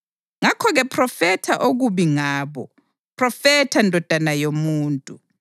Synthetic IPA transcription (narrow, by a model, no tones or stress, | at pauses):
ŋakʰɔɣɛpʰrɔfɛtʰaʔoɣuɓiŋaːɓɔ | pʰrɔfɛtʰandʱɔd̥ʱanajomuːntʼu